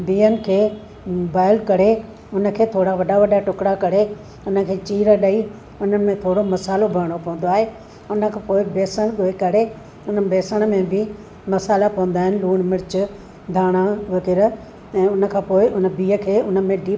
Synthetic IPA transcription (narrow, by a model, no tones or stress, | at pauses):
biːənɪ̆kʰeː | baːɪlkɐɾe | ʊnə̆kʰeːt̪ʰoːɽaʋɐɗaʋɐɗaʈʊkɽakɐɾe | ʊnə̆kʰeːt͡ɕiːɾəɗai | ʊnəmẽt̪ʰoːɽomɐsaːlobʱɐɾɽ̃opɐʋə̃n̆d̪oaːɦeː | ʊnə̆kʰãːpoːɪbeːsəɽ̃ɠoekɐɾe | ʊnəbeːsəɽ̃mẽbɪ | mɐsaːlapɐʋə̃n̆d̪aːɦɪnɪluːɽ̃mɪɾɪt͡ɕʊ | d̪ʱaːɽ̃aʋɐkɪɾə | ɛ̃ːʊnə̆kʰãːpoːɪʔʊnəbiːəkʰeːʊnəmẽɖiː